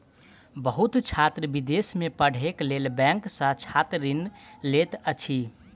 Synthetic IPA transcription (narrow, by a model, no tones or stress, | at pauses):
bəɦut̪t͡ʃʰat̪ɾəbid̪esmepəɽ̤eklelbɛ̃ŋksə̃t͡ʃʰat̪ɾinlet̪ət͡ʃʰi